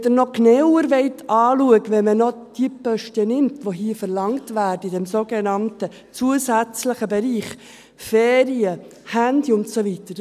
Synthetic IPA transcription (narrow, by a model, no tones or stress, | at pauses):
d̥ənɔknɛwəɾʋɛɪtʰɑːluəkʋɛnmənɔd̥ipœʃtənɪmtʋoɦiːfəɾlɑŋtvæːɾdəidɛmsoːɡ̥enɑntə | t͡suəsæt͡sləχəbɛɾiːχ | feːɾiəhændiʊntsovitəɾ